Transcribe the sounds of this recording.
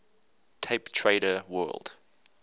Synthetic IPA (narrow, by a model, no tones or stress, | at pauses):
tʰeɪptʰɹeɪɾəwɜ̰ːlˠd̥